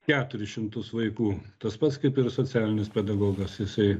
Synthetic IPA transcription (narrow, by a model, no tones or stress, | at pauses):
kʲæːt̪ʊɾʲɪʃʲɪmt̪ʊsʋɐɪkuːt̪ɐspɐt̪skɐɪpɪrsoːt͡s̪ʲæːlʲɪnʲɪspʲɛd̪ɐɡoːɡɐsjɪsɐɪ